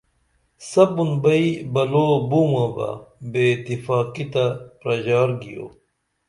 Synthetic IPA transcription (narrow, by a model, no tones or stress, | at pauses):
sɐbunbɐibɐloːbumãːbɐ̰beːt̪ifaːkit̪ɐpɾɐʑaːɾɡijo̰ː